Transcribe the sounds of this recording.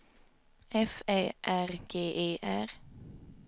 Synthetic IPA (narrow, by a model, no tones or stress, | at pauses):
ʔɛfeːʔæʁɡ̥eːʔeːʔæʁ